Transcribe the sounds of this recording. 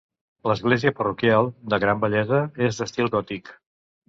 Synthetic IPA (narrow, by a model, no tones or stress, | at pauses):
ləzɣleziəpərukjalˠd̪əɣɾambəʎɛzəezd̪əst̪ilˠɡɔt̪ik